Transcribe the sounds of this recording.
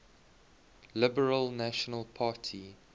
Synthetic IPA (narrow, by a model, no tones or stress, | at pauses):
lɪbəɹəlˠnæʃənəlˠpʰɑːˑtʰi